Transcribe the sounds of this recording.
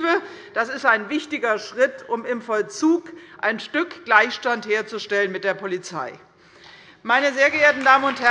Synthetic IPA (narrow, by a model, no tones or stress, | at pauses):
vəd̥asɪstaɪnvɪçtɪɡɐʃʁ̥ɪtʰʔʊmɪmfɔlt͡suːkʔa̰ɪnʃtʏkɡ̥laɪçʃtantheːɐt͡suʃtɛlənmɪt̚d̥eːɐpʰolit͡sa̰ɪ | maɪnəzeːɐɡəʔeːɐtn̩daːmənʊnthɛ